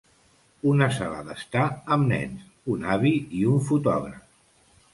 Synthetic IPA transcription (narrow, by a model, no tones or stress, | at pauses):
unəsala̰ðəst̪aəmnɛ̰ns | unaβiiuɱfut̪ɔ̰ɣɾəf